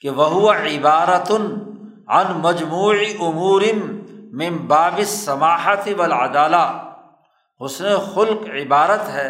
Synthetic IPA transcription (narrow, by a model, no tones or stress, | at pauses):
keʋɐɦʊwaʕɪbaːɾɐt̪ʊn | ʕɐ̰nmɐd͡ʒmuːʕiʔʊmuːɾɪnːɪmbaːbɪsːɐmaːħat̪ɪʋɐlʕɐ̰d̪aːlaː | ɦʊsnexʊlqʕɪbaːɾət̪ɦɛː